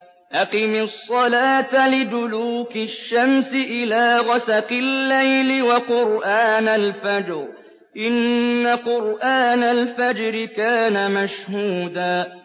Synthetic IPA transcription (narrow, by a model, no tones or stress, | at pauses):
ʔɑqimɪsˤːɑlaːt̪alɪd̪ʊluːkɪʃːamsɪʔɪlaːɣasaqɪlːajlɪwaqʊɾʔaːnalfad͡ʒɾ | ʔɪnːaqʊɾʔaːnalfad͡ʒɾɪkaːnamaʃhuːd̪aː